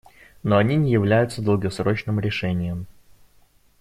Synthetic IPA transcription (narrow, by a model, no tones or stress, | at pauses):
no̞ɐnʲinʲɪjɪvlʲæjʊt̪səd̪əlˠɡɐsɾo̞t͡ɕnɨmɾʲɪʂɛnʲɪjəm